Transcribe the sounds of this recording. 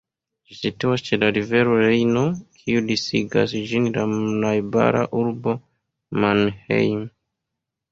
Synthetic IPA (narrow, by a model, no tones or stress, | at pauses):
d͡ʒisituwat͡ʃɛdaɾivɛɾɔɾɛjnɔkʰiudisiɡa̰sid͡ʒiniɾamnajba̰ɾa̰ʔuɾbɔ | manhḛjm